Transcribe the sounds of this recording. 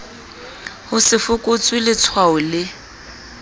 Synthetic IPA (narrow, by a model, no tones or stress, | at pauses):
hʊsɪfʊkʼʊt͡sʼwilɪt͡sʰwaʊlɪ